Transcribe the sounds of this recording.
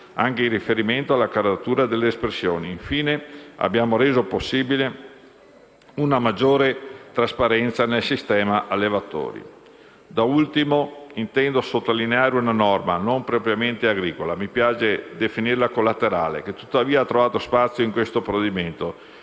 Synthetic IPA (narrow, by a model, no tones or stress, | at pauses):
aŋkeirifeɾiment̪oalːakaɾd̪at̪uːɾad̪elːeːspɾesːjoːniːɱfiːnea̰bjaːmoɾeːzoposːiːbile | unamad͡ʒːoːɾet̪ɾaspaɾɛnt̪sanelsist̪ɛːmaʔalːevat̪ːo̰ːɾḭ | d̪ault̪imoint̪ɛnd̪osot̪ːalineaːɾeunanɔrmanompɾopɾjament̪eaɡɾiːkolamipjaːt͡ʃed̪efinirlakolːat̪eɾaːlḛket̪ːut̪ːaviːaat̪ːɾovaːt̪ospat̪sːjoiŋkwest̪opɾoed̪iment̪o